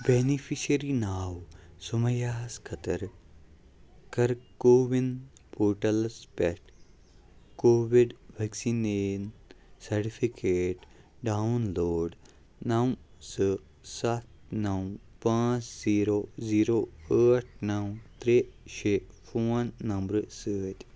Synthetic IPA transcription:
beːnifʰiʃəɾinaːwsumɐjaːskʰɐt̪əɾ | kɐɾkoːʋin | poːʈɐlspɛʈ | koːʋiɖʋeksiːnensɐɾʈifʰikeːʈ | ɖawnloːɖ | nɐwsɨ | sɐt̪̚nɐwpãːt͡ʃziːɾoːziːɾoːəːʈ̚ʰnɐwt̪ɾeʃeː | foːnːɐmbɾsəːt̪ʲ

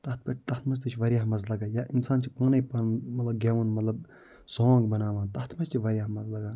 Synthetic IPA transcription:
t̪ɐt̪pɐʈt̪ɐht̪mɐs̬t̪ɨt͡ʃʰiʋɐɾjaːɦmɐzlɐɡaːjaːʔinsaːnt͡ʃʰipãːnɐpɐmɐt̪lɐb̚ɡʲaːʋɐnmɐt̪lɐb | soːŋɡbɐnaːʋãːnt̪ɐht̪mɐst͡ʃʰiʋɐɾʲjaːmɐzlɐɡaː

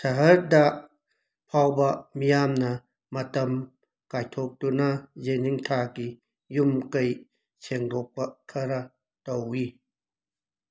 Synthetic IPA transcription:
tʰɐɦɐɾda | pʰawbɐmijamnɐ | mɐtɐm | kajtʰok̚tunɐzeniŋtʰaki | jumkɐj | t͡ʃʰeŋɾɔk̚pɐkʰɐɾɐ | towi

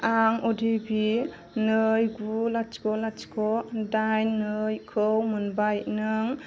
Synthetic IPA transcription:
aŋodibi | nɯjɡulat͡ʃkɔlat͡ʃkɔdajnːɯjkʰɯwmɯnbajnɯŋ

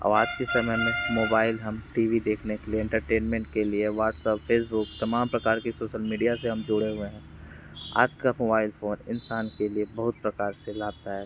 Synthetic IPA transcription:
ɔ̰ːɾaːd͡ʒkesɐməjmẽmoːbaːɪlɦɐmʈiːʋid̪eːkʰnekelieɛ̃ɳʈəɾʈeːnmɛ̃ɳʈ̚kelieʋaːʈsəpfeːs̬bʊkt̪ɐmaːmpɾɐkaːɾkisoːʃəlmiːɖijaseɦɐmd͡ʒʊɽeɦʊeɦɛ̃ː | a̰ːd͡ʒkamoːbaːɪlfoːnɪ̰nsaːnkeliebɐɦʊt̪̚pɾɐkaːɾselaːb̚t̪aɦɛː

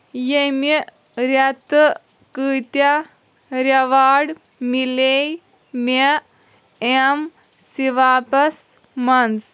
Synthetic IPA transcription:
jemi | ɾjɐt̪ə | kɨːt̪ja | ɾɐʋaːɽ | milej | me | em | siʋaːpɐs | mɐns

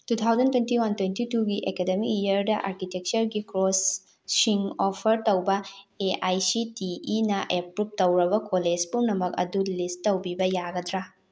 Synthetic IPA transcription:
tutʰawzɐntwentiwantwentituɡiʔekedemikiɐɾdɐʔa̰ɾkitek̚t͡ʃɐɾɡikɾosː | iŋopʰɐɾtɐwbɐeajsitiinɐʔepɾup̚tɐwɾɐbɐkoled͡ʒpuŋnɐmɐk̚ɐ̰dulistːɐwbibɐjaɡɐdɾa

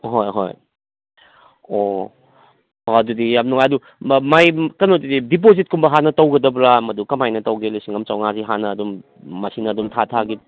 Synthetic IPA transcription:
ɦojɦo̰j | o | oɐdudijam̚nuŋɐdu | majkɐnotididip̬ozit̚kumbɐɦanɐtɐwɡɐdɐbɾamɐdukɐmajnɐtɐwɡelisiŋɐmt͡ʃawŋaziɦanɐːdumː | ɐsinɐːdumtʰatʰaɡi

